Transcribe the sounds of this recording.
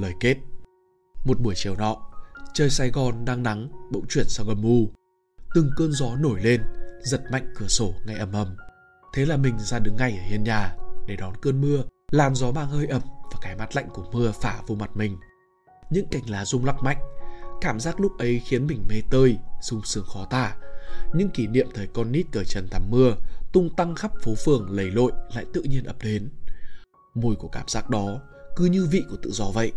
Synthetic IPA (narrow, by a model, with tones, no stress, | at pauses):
ləː˨˩jke˦˥t̚ | mo˨˩t̚ɓu˧˩əjt͡ɕi˧˨əwnɔ̰˧˨t͡ɕəː˧jsaː˧jɣɔ˨˩nɗaː˧ŋna˨˦ŋɓə̰˧˥˨wt͡ɕwi˧˩ənsaː˧wɣɔ˨˩nmu˧ | t̪ɨ˨˩ŋkəː˧nzɔ˨˦no˧˩jle˧nzə˨˩t̚ma̰˧˨jŋ̟kɨ˧˩əso˧˩ŋa˧˩jʔə˨˧˩mʔə˨˧˩m | t̪ʰe˨˦laː˨˩mï˨˩ŋ̟zaː˧ɗɨ˨˦ŋːa˨˧˩jʔəː˧˩hi˧ənɲaː˨˩ɗe˧˩ɗɔ˨˦nkəː˧nmɨ˧əlaː˨˩mzɔ˨˦maː˧ŋhəː˧jʔə˨˩mvaː˨˩kaː˨˧˩jmaː˦˥t̚la̰˧˨jŋ̟ku˧˩əmɨ˧əfaː˧˩vo˧ma˨˩t̚mï˨˩ŋ̟ | ɲɨ̰˧˥ŋka˧˩jŋ̟laː˨˩zʊ˧ŋ͡mla˦˥k̚ma̰˧˨jŋ̟kaː˧˩mzaː˦˥k̚lʊ˦˥k͡p̚ʔə˨˦jxi˨˦ənmï˨˩ŋ̟me˧t̪əː˧jz̥ʊ˧ŋ͡msɨ˨˩əŋxɔ˨˦t̪aː˧˩ɲɨ̰˧˥ŋki˧˩nḭ˧˨əmt̪ʰəː˨˦jkɔ˧nːi˦˥t̚kəː˧˩t͡ɕə˨˩nt̪ʰa˧˩mːɨ˧ət̪ʊ˧ŋ͡mt̪a˧ŋxa˦˥p̚fo˨˦fɨ˨˩əŋlə˨˩jlo̰˧˨jla̰ː˧˨jt̪ɨ̰˧˨ʔɲi˧ənʔə˨˩p̚ɗe˨˦n | mo˨˧˩jku˧˩əkaː˧˩mz̥aː˦˥k̚ɗɔ˨˦ | kɨ˨˦ɲɨ˧vḭ˧˨ʔku˧˩ət̪ɨ̰˧˨zɔ˨˦və̰˧˨ʔ